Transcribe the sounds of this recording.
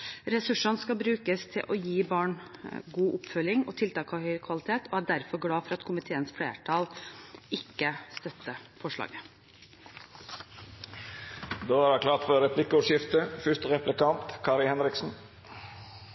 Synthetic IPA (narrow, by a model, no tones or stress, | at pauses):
ɾɛsʉʂɑnskɑbɾʉːkəst̪ʰɪlʔɔjiːbɑːɳɡuːʔʊpfœlɪŋɔ̰t̪ʰɪlt̪ɑːkʰɑhœʏkʰʋɑlɪt̪ʰeːt̪ɔæɖæɾfɔɾɡɽɑːfɔɾɑt̪kʰʊmɪt̪ʰeːənsfleːʈʰɑːlɪkːəst̪œt̪ːəfɔʂɭɑ̰ːɡə | d̪oːæɾɑkʰlɑːt̪fɔɾɛpʰlɪkːəɔʂɪft̪əfʏʂt̪əɾɛplɪkɑnt̪kʰɑːɾɪhɛnɾɪksn̩